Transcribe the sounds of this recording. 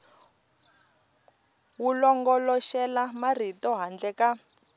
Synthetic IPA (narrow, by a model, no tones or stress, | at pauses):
wulɔŋɡɔlɔʃɛlamar̤itɔɦand͡ɮɛka